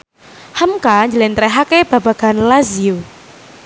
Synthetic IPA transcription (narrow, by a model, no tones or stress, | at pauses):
həmkaɲd͡ʒəlɛnt̪ɾɛɦakeb̥ab̥aɡ̥a̤nlaziu